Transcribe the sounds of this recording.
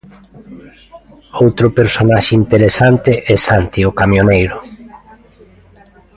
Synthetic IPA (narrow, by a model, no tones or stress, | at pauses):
owt̪ɾʊpeɾsonaʃɪint̪eɾesant̪ɪʔɛsant̪iʊkamjonejɾʊ